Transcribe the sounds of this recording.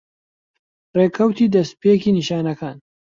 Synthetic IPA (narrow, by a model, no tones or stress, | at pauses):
reːkʰɐwt̪iːd̪ɐspekiːniʃaːnɐkaːn